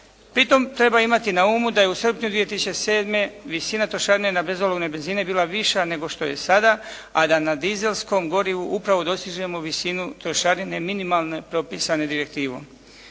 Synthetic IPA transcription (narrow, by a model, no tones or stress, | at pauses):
pɾit̪o̞mt̪ɾe̞baimat̪inauːmud̪ajeusr̩pɲud̪ʋijet̪isit͡ʃse̞ːd̪me̞ʋisinat̪ɾoʃaɾinenabe̞zoloɡne̞be̞nzine̞biːlˠaʋiʃane̞ɡo̞ʃt̪o̞je̞sad̪a | ad̪anad̪ize̞lˠsko̞mɡo̞ɾiʋuʔupɾaʋo̞d̪o̞st̪iʒe̞mo̞ʋisinut̪ɾoʃaɾine̞minimalˠne̞pɾo̞pisane̞d̪iɾek̚t̪iːʋo̰m